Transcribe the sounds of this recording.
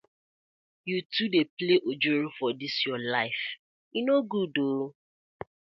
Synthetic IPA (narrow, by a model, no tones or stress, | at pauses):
jutudepleʔod͡ʒoɾofɔdisjɔlaɪf | inoɡudoɾo